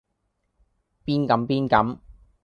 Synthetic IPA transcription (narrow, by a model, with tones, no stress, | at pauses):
piː˥nkɐ˨˧˥mpiː˥nkɐ˨˥m